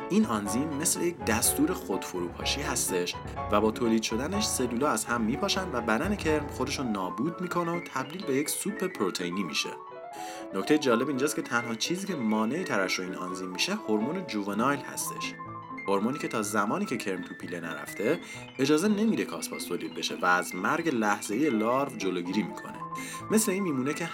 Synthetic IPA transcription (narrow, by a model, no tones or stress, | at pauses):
ʔinɒnzimːe̞slejec̚d̪æst̪uːɾe̞xod̪̥foɾuːpʰɒ̰ːʃiːhæst̪e̞ʃ | væbɒːt̪ʰoːliːd̪ʃo̞d̪æne̞ʃse̞luːlɒːæz̥hæmːiːpʰɒːʃænd̪væbæd̪æne̞cʰe̞ɾmxo̞d̪e̞ʃunnɒːbuːd̪̚miːkʰo̞not̪ʰæbd̪iːlbe̞je̞csupʰːe̞pʰɾot̪ʰe̞iniːmḭʃe̞̰ | nocʰt̪ejed͡ʒɒːle̞bind͡ʒɒːskcʰe̞t̪ʰænhɒːt͡ʃʰiːziːcʰe̞mɒːne̞it̪ʰæɾæʃoiːnɒ̰ːnziːmːiʃe̞hoɾmoned͡ʒuvenɒjlhæ̰st̪e̞̰ʃ | hoɾmoniːcʲʰe̞t̪ʰɒːzæmɒːniːcʰe̞cʰe̞ɾmt̪ʰupʰiːlenæ̰ɾæ̰ft̪ʰe̞ | ed͡ʒɒːze̞ne̞mid̪e̞kʰɒ̰ːspʰɒ̰st̪ʰoːliːd̪̚be̞ʃe̞væːzmæɾɟelæhz̥e̞ijelɒːɾvd͡ʒoloːɟiːɾiːmḭkʰo̰ne̞̰ | me̞sle̞iːnmiːmuːnecʰe̞